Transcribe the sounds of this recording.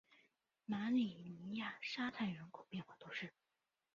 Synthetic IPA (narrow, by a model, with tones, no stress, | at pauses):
ma˧˥li˨˩ni˧˥˧ja˥˩ʂa˥t̪ʰa˥˩ɪɥɛ˧˥nkʰo˨˩ʊpjɛ˥˧nxwa˥˩t̪o˥ʂɻ̩˥˩